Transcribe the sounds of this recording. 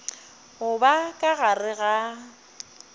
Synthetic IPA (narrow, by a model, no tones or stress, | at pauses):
ɣʊbakʼaɣarɪɣa